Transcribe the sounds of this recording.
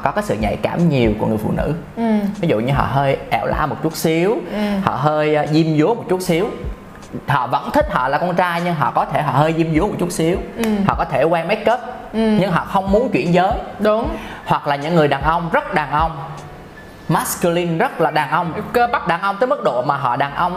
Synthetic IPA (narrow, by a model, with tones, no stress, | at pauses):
kɔ˨˦kaː˨˦jsɨ̰˧˨ɲa̰˧˨jkaː˧˩mɲi˨˩əwku˧˩əŋɨ˨˩əjfṵ˧˨nɨ̰˧˥ | vi˨˦zṵ˧˨ɲɨ˧ɦɔ̰ː˧˨ɦəː˧jʔɛ˧˩wla̰ː˧˥mo˨˩t̚t͡ɕu˦˥ət̚si˨˦əwhɔ̰˧˨ɦəː˧jzi˧mzu˨˦əmo˨˩t̚t͡ɕu˦˥t̚si˨˦əw | hɔ̰˧˨və̰˧˥nt̪ʰï˥k̟̚hɔ̰ː˧˨laː˨˩kɔ˧nt͡ɕaː˧jɲɨ˧ŋɦɔ̰˧˨kɔ˨˦t̪ʰe˧˩ɦɔ̰˧˨˩həː˧jzi˧mzu˨˦m˨˩t̚t͡ɕu˦˥t̚si˨˦əwhɔ̰˧˨kɔ˨˦t̪ʰe˧˩kwɛː˧ŋma˨˦˥j̚kəː˦˥t̚ | ɲɨ˧ŋɦɔ̰ː˧˨xə˧wŋ͡mmu˨˦ənt͡ɕwḭ˧˩ənzəː˨˦j | hwa˨˩k̚laː˨˩ɲɨ̰˧˥ŋːɨ˨˩əjɗaː˨˩nʔə˧wŋ͡mzə˦˥t̚ɗaː˨˩ŋʔə˧wŋ͡m | maː˦˥skɨ˧li˧nzə˦˥t̚laː˨˩ɗaː˨˩nʔə˧wŋ͡ma˦˥k̚ɗaː˨˩ŋʔə˧wŋ͡mt̪əː˨˦jmɨ˦˥k̚ɗo̰˧˨maː˨˩ɦɔ̰˧˨ɗaː˨˩ŋʔə˧wŋ͡m